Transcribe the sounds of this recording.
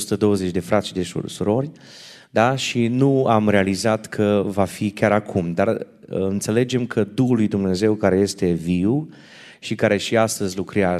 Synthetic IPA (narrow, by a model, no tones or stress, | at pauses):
sut̪əd̪o̞wəze̞t͡ʃd̪e̞fɾat̪sʃid̪eṵsuɾo̞rʲ | d̪aʃinuamɾe̞alizat̪kʰəvafikʲaɾakʰumd̪ar | ɨnt̪se̞le̞d͡ʒe̞mkʰəd̪uɦulːujd̪umne̞ze̞wkaɾe̞je̞st̪e̞viw | ʃikaɾe̞ʃiast̪əzʲlukɾea